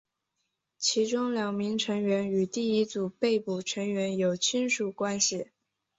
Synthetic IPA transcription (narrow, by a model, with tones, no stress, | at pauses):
t͡ɕʰi˧˥ʈ͡ʂʊ˥ŋljɑ˨˩ŋmi˧˥ŋʈ͡ʂʰɤ˧˥ŋɥɛ˧˥ny˨˩t̪i˥˩i˥t͡su˨˩pe˥˩ɪpu˨˩ʈ͡ʂʰɤ˧˥ŋɥɛ˧˥njo˨˩ʊt͡ɕʰy˥nʂu˨˩kwa˥nɕi˥˩